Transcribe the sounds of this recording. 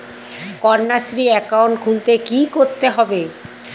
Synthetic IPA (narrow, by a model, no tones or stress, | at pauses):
kɔɾnasɾiɛkawɳʈkʰult̪ekikoɾt̪eɦɔbe